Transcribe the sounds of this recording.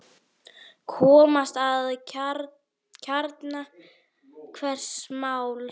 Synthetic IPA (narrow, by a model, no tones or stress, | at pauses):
kʰɔːmast̪að | cʰaɾt̪na | kʰvɛr̥smaːwl